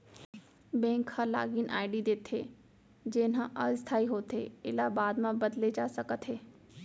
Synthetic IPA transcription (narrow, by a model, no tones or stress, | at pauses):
bɛ̃ːŋkʰhala̰ːɡinʔa̰ːɪɖid̪eːt̪ʰɦeː | d͡ʒeːnãʔɐst̪ʰaːiɦoːt̪ɦḛɪlabaːd̪mãbɐd̪led͡ʒaːsɐkət̪ɦeː